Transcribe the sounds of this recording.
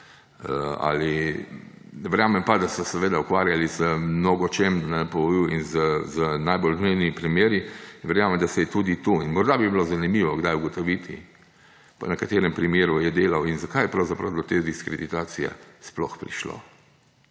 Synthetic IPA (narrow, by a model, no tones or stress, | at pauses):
əa̰li | nɛʋɛɾjaːmɛmpad̪asɔsɛʋeːd̪aukʋaːɾjalizəmnoɡɔt͡ʃemnɛpɔʋɔiwinzəzənajbolznejnipɾimjeːɾiʋɛɾjaːmɛmd̪asɛjɛt̪ud̪it̪uinmɔɾd̪abibilozanimiːʋɔɡd̪ajuɡɔt̪ɔʋit̪i | pɔ̰nɛkat̪eːɾɛmpɾimeːɾujɛd̪eːlawinzakajɛpɾawzapɾawd̪ɔt̪eːd̪iskɾed̪it̪aːsijɛ̰splɔxpɾḭʃlo̰